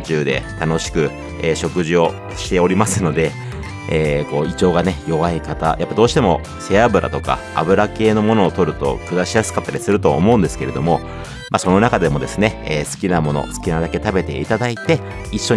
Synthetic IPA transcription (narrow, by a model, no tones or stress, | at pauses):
t͡ɕɨːd̪e̞̰t̪ano̞ɕi̥kɯ̟ | eːɕo̞kɯ̟ʑio̞ | ɕi̥t̪e̞o̞ɾʲimasɨno̞d̪e̞ | eːko̞ːit͡ɕo̞ːɡane̞jo̞βaikat̪a̰japːad̪o̞ːɕi̥t̪e̞mo̞ | se̞abɯ̟ɾʔa̰t̪o̞ka̰ | a̰bɯ̟ɾake̞ːno̞mo̞no̞ːt̪o̞ɾɯ̟t̪o̞̰kɯ̟d̪aɕijasɨ̥kat̪ːaɾʲisɨɾɯ̟t̪o̞o̰mo̞ɯ̟̃nd̪e̞sɨ̥ke̞ɾe̞d̪o̞mo̞ | maso̞no̞nakad̪e̞mo̞d̪e̞sɨne̞eːsɨ̥kʲinamo̞no̞̰sɨ̥kʲinad̪ake̞t̪abe̞t̪e̞̰it̪ad̪ait̪e̞ | iɕːo̞